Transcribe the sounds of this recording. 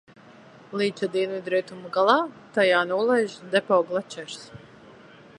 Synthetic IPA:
liːt͡ʃ̪ʲad̪invid̪ɾiɛt̪umɡalˠɑːt̪ajaːnuːlˠajʒd̪ɛpɔwɡlˠat͡ʃɛɾs

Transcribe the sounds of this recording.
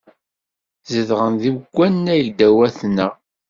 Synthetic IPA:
zəðʁənðiwɡʷːænːæjʝd̪æwæθnə

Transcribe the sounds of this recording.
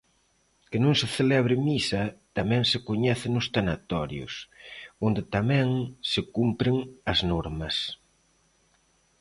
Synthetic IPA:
kɪnõŋsɪθelɛβɾɪmisɐt̪amɛ̃ŋsɪkoɲɛθɪnʊst̪anat̪ɔɾjʊ̰sond̪ɪt̪amɛ̃ŋsɪkumpɾɪŋɐznɔɾmɐs

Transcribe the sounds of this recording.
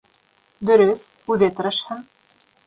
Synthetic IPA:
d̪ɵ̆ɾɵθ | ʉðɘt̪ɤ̆ɾɤ̆ʃhɤn

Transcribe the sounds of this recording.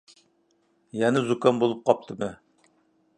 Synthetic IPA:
jɛnɪzukɑnbolˠup̚qʰɑp̚t̪ʰɨmɨ

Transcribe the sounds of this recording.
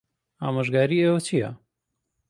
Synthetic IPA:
aːməʒɡaːɾieːwɐt͡ʃʰijɐ̰

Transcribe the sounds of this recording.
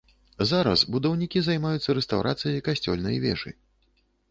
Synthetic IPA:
zaɾɐ̰sbud̪ɐwnʲikʲizajmajut̪sːɐɾɛst̪awɾʔat̪sɨjɐjkasʲt͡sʲɔ̰lʲnɐ̰jvʲɛ̰ʐɨ̰

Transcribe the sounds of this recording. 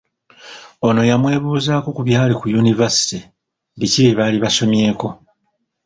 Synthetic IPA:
o̞no̞jamwe̞ːβuːzaːko̞kuβjaːlikujunivasi̥ti | diciβiβaːliβaso̞mje̞ːko̞

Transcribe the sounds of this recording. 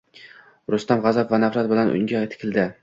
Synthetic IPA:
ɾʊst̪amʁɑzapvanafɾat̪̚bɪlanʔʊ̰ŋɡʲajt̪ʰɪ̥kʰʲɪlˠd̪ɪ

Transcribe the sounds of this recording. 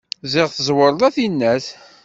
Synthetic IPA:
zɪʁθəzˤwəɾˤlæθinːæs

